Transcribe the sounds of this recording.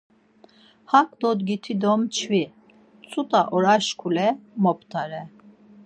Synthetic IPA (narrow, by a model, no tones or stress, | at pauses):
hakʼd̪ɔd̪ɡit̪ʰid̪ɔmt͡ʃʰvi | t͡sʼut̪ʼaʔɔɾaʃkʰulɛmɔp̚ʰʼt̪ʰʼaɾɛ